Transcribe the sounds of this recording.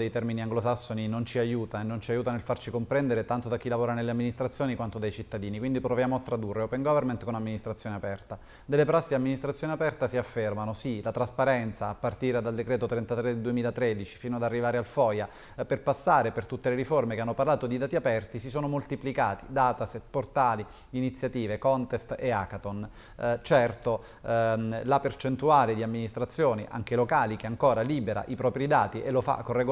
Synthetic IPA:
d̪ejt̪ɛrminiaŋɡlosasːoninont͡ʃiajuːt̪aenːont͡ʃiajuːt̪anelfart͡ʃikompɾɛnd̪eɾet̪ant̪od̪ak̟ːilavoːɾanelːeamːinist̪ɾat̪sːjoːnikwant̪od̪ajt͡ʃit̪ːad̪iːnikwind̪ipɾovjaːmoat̪ːɾad̪urːeopeŋɡɔvermant̪konamːinist̪ɾat̪sjoːneapɛrt̪a | d̪elːepɾasːid̪amːinist̪ɾat̪sjoːneapɛrt̪asiafːermanosilat̪ɾaspaɾɛnt̪saːpːart̪iːɾad̪ald̪ekɾɛːt̪ot̪ɾɛnt̪at̪ɾed̪ed̪uemiːlat̪ɾed̪it͡ʃi̥fiːnoad̪arːivaːɾealfɔja | perpasːaːɾepert̪ut̪ːeleɾiformekeanːoparlaːt̪od̪id̪aːt̪iapɛrt̪isisoːnomolt̪iplikaːt̪id̪aːt̪aset̪port̪aːli | init̪sːjat̪iːvekɔnt̪est̪eakat̪on | t͡ʃɛrt̪o | lapert͡ʃent̪uaːled̪iamːinist̪ɾat̪sːjoːniʔa̰ŋk̟elokaːlik̟eaŋkoːɾaliːbeɾa̰ʔipɾɔːpɾid̪aːt̪iʔelofa̰kːorːeɡ

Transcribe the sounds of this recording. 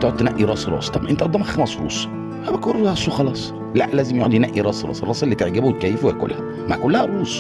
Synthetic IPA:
t̪eʕot̪ːnæʔiɾˤɑːsˤɾˤɑ̰ːsˤt̪ˤɑmʔent̪æʔɑd̪ˤːɑmæxæmæsˤɾṵːs | hæbækoɾɑsˤuxɑlɑːsˤ | læʔlæːzemjoʕd̪inæʔiɾˤɑːsˤɾɑ̰ːsˤɾˤɑːsˤelːiːt̪eʕɡæbwet̪̚kæːjːefuweæko̰lːæhæ | maʕkolːæhæɾuːsˤ

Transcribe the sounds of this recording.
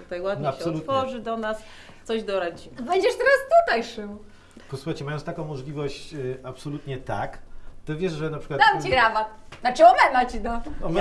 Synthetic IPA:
ut̪ajwad̪ɲɕɛɔt̪fɔʐɨd̪ɔnas | t̪sɔʑd̪ɔɾat͡ɕibɛɲd͡ʑɛʂt̪ɛɾast̪ut̪ajʂɨw | pɔswuxajt͡ɕɛmajɔnst̪akɔ̃w̃mɔʐlʲivɔɕt͡ɕapsɔlut̪ɲɛt̪a̰kt̪ɔvʲjɛʂʐɛnapʂɘ̥kwad̪amt͡ɕiɡɾamaxnat͡ʂɨɔmɛmat͡ɕid̪ɔ

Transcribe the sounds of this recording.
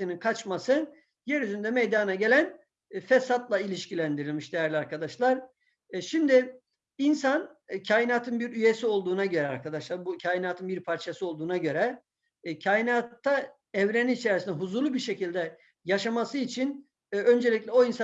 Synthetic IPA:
ininkʰat͡ʃmasɯ | jɛɾyzynd̪ɛmejd̪anaɟe̞lʲæn | fɛsat̪lˠailʲiʃcilʲænd̪iɾilʲmiʃd̪ejæɾlʲiaɾkʰad̪aʃlˠaɾ | ʃimd̪ɪ | insancʰaːjinaːt̪ʰɯnbiɾyje̞sio̞lˠd̪uːnaɟø̞ɾɛaɾkʰad̪aʃlˠaɾbucʰaːjinaːt̪ʰɯnbiɾpʰaɾt͡ʃʰasɯo̞lˠd̪uːnaɟø̞ɾɛ | cʰaːjinaːt̪ʰːa | ɛvɾeninit͡ʃʰeɾisind̪ɛɦuzuɾlˠubiɾʃecʰilʲd̪ɛ | jaʃamasɯit͡ʃʰin | ø̞nd͡ʒelʲicʲlʲɛo̞insa

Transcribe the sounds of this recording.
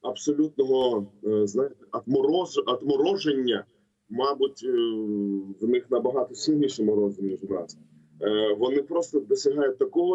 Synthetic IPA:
ɐbsɔlʲut̪nɔɦɔznɑjt̪ɐt̪mɔɾɔɐt̪mɔɾɔʒenʲːɐ | mɑbʊtʲ | ʋnɪxnɐbɐɦɑt̪ɔsʲilʲnʲiʃɛmɔɾɔzʲinʲiʒɾɑ̰z | ʋɔnɪpɾɔst̪ɔd̪ɔsʲɐɦɑjʊt̚ʲt̪ɐkɔɦɔ

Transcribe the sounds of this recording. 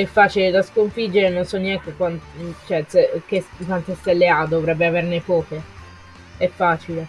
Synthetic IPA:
ɛfːaːt͡ʃiled̪askoɱfid͡ʒːeɾenonsɔnːiɛnt̪ekwant͡ʃoɛsek̟ːeskːwant̪est̪elːead̪ovɾɛbːeavernepɔːke | ɛfːaːt͡ʃile

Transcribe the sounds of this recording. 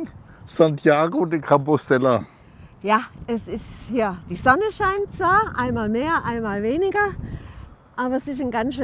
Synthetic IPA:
santʰjaːɡodikʰampostɛlɐ | jaːɛsɪstjaːd̥iːzɔnəʃaɪntt͡sv̥aːɐʔaɪnmaːlmeːɐʔaɪnmaːlveːnɪɡɐ | ʔaːbɐɛsɪsnɡanʃø

